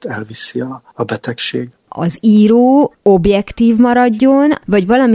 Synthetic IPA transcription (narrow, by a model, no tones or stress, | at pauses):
t̪ɛlvisiɒː | bɛt̪ɛkʃeːɡ | ɒ̰ziːɾoːo̞bjɛkt̪iːvmɒɾɒɟːo̞nvɒɟvɒlɒmi